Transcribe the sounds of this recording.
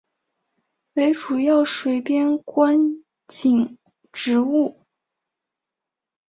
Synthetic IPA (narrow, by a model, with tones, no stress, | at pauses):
we˧˥ɪʈ͡ʂu˨˩jɑ˥˩ʊʂwe˧˥ɪpjɛ˥nkwa˥n | t͡ɕi˨˩ŋ | ʈ͡ʂɻ̩˧˥u˥˩